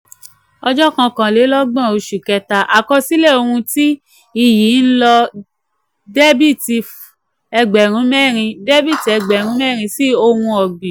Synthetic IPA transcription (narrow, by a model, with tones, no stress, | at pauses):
ɔ˧d͡ʒɔ˦kã˧kã˨le˨˦lɔ˦ɡ͡bã˦˨o˧ʃu˨kɛ˧ta˧ʔa˨kɔ˧si˦le˦˨o˧ɾũ˧ti˦ | i˦˨ji˨˦n̩˦lɔ˧ | de˦bi˦˨ti˧f | ɛ˧ɡ͡bɛ˨ɾ̃ũ˨˦mɛ˦˨ɾ̃ĩ˧de˦bi˦˨ti˨ɛ˧ɡ͡bɛ˨ɾ̃ũ˨˦mɛ˦˨ɾ̃ĩ˧si˦o˧hũ˧ɔ˨ɡ͡bi˨